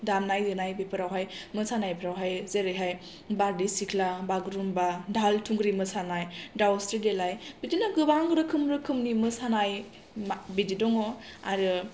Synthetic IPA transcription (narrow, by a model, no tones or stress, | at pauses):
damnajdɯnajbepʰɯɾawɦajmɯsanajpʰɾawɦajzeɾɯjɦaj | baɾdisikʰlabaɡɾumbadʱaltʰuŋɡɾimɯsanajdawstɾedelajbidinaɡɯbaŋɾɯkʰɯmɾɯkʰɯmnimɯsanaj | mbididɔŋɔa̰ɾɯ